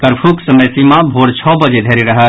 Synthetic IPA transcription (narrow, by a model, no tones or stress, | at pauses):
kəɾpʰuksəməjsimãbʱoːɾt͡ʃʰɔːbəd͡ʒed̪ʱeːɾiɾɐɦə